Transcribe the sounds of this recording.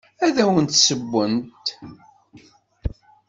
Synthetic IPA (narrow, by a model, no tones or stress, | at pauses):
æðæwənt̪səbʷːənt̪